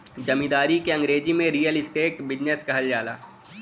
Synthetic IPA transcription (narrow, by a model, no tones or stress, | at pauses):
d͡ʒɐmĩd̪aːɾikeɐ̃ŋɡɾeːd͡ʒimẽɾiːjəlɪsʈeːʈbɪd͡ʒneskɐɦəld͡ʒaːla̰ː